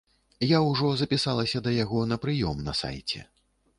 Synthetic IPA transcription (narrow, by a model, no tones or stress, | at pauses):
jawʐɔzɐpʲisalˠɐsʲɐd̪ɐjaɣɔnɐpɾɨjɔmnɐ̰sa̰jt͡sʲɛ̰